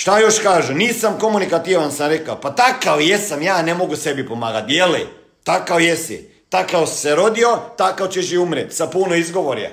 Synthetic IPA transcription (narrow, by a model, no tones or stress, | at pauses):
ʃt̪ajo̞ʃkaːʒuniːsamko̞munikat̪iʋansamɾekaopat̪akawjesamjaːnemo̞ɡuse̞bipomaːɡat̪jeli | t̪akawjesḭ | t̪akawseɾo̞d̪iot̪akawt͡ɕeʃ̬iumɾet̪sapunoizɡo̞ʋoɾjḛ